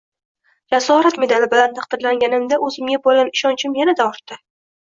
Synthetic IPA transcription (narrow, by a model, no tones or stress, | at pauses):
jasɒɾat̪me̞d̪alɪbɪlant̪ʰaqd̪̥ɪɾlaŋɡʲanɪmd̪aʔɵzɪmjabolʲanɪʃɒnt͡ʃʰɪmjanad̪aɒɾt̪ːɪ